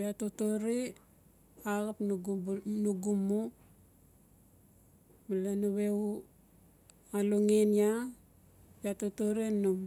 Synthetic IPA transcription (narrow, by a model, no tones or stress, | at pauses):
piatotoɾe | aɣapnɡnuɡumo | malanaβeu | aloŋenia | piatotoɾenum